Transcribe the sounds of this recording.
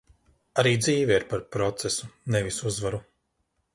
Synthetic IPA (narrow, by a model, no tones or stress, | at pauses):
aɾiːd̪ziːvɛiɾpaɾpɾɔt̪sesunevisuzvaɾu